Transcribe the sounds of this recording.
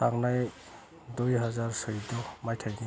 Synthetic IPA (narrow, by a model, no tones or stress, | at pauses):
taɡnaj | dujɦazaɹsɔidɔmajtʰajdi